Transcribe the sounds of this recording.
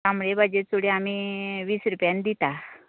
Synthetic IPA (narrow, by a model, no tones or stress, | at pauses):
amɭebad͡ʑet͡suɽeamiːʋiːsɾupjãnd̪it̪a